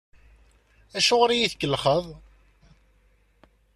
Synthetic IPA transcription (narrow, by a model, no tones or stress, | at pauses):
æʃoʁɾijiθkːəlχəðˤ